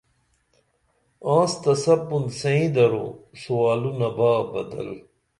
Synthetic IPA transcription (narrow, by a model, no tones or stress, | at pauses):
ãːst̪ɐsɐpːund̪sɐĩd̪ɐɾo̰suwaːlunɐbaːbɐ̰d̪ɐ̰l